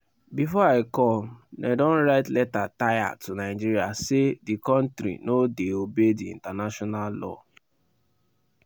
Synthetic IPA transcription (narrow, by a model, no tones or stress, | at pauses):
bifɔaɪkɔ̃mnadɔ̃nɹaɪtlɛtataja̰tunaɪd͡ʒiɾia̰sedikɔ̃ntɾḭnodeobediḭ̃ntanaʃɔnallɔ̰